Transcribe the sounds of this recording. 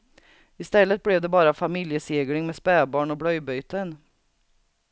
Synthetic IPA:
ɪst̪ɛlːət̪̚blɛvd̪ɛbɑːɾafamɪljəseːɡɽɪŋmɛspɛːbɑːɳɔbɽœjbœjt̪ən

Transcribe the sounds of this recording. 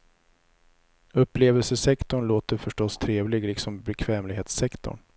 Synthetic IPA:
ɵpːleːvəlsəsɛkt̪ʊɳloːt̪əɾfœʂʈɔst̪ʰɾeːvlɪɡlɪksɔmbɛkʰvɛːmlɪɡeːt̪sɛkt̪ʊ̰ɳ

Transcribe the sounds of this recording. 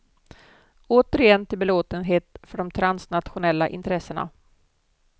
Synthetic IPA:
oːt̪əɾɪjɛnːt̪ʰɪlbɛloːt̪ənɦeːt̪fœɖɔmt̪ʰɾansnat̪ɧʊnɛlːaʔɪ̰nt̪ɾɛsːəɳa̰

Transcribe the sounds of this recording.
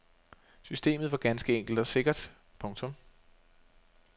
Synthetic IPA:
sysd̥e̝̰ːmð̞̩ˠʋɑ̈ɡ̥ænsɡ̥əeŋ̰ɡ̥l̩d̥ɒ̽se̝ɡ̥ɐd̥ | pʰɔ̽ŋt͡sʰɔ̽m

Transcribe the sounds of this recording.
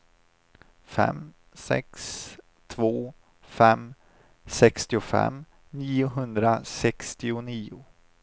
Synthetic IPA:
fɛ̰m | sɛ̰ks | t̪ʰvoː | fɛm | sɛkst̪ɪʊfɛ̰m | niːʊɦɵnd̪ɾasɛkst̪ɪʊniːʊ

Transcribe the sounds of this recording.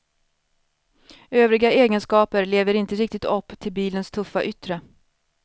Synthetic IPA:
øːvɾɪɡaeːɡənskɑːpəɾleːvəɾɪnt̪əɾɪk̚t̪ɪt̪ʰɔpːt̪ʰɪlbiːlənst̪ʰɵfːa̰ʔʏt̪ɾə

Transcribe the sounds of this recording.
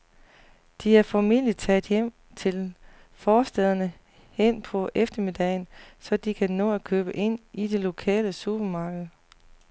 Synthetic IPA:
d̥iæɐfɒmili̥t͡sʰɛ̰d̥ˠjem̰ | t͡sʰe̝l | fɒːsd̥eð̞ˠɐnə | hen̰pʰɒ̽ʔefd̥ɐmid̥ɛːnsɒ̽d̥ikʰænɔ̰̽ːækʰøːb̥əʔe̝n̰ʔid̥e̝lo̝kʰɛ̰ːləsub̥ɐmɑ̈ːɡ̥əð̩ˠ

